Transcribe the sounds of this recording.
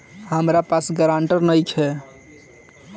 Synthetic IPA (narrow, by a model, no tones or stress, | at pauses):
ɦəmɾapasɡəɾaɳʈəɾnəjt͡ʃʰɛ